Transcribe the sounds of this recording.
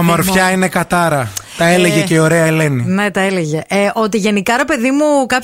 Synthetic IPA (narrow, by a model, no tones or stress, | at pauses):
ɐmo̞ɾfçɐine̞kɐt̪ɐɾɐt̪ɐeleʝeceio̞ɾeɐele̞nine̞t̪ɐeleʝe̞ʔeʔo̞t̪iʝe̞nikɐɾe̞pe̞ðimukɐp